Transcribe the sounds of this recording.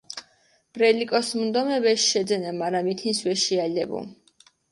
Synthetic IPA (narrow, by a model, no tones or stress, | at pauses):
b̥ɾɛlikʼɔsmund̪ɔmɛvɛʃʃɛd̪zɛnamaɾamit̪ʰinswɛʃialɛbṵ